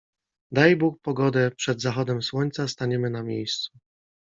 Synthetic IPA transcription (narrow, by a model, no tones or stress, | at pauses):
d̪ajbuk̚pɔɡɔd̪ɛpʂɛd̪zaxɔd̪ɛmswɔɲt̪sast̪aɲɛmɘnamʲjejst̪su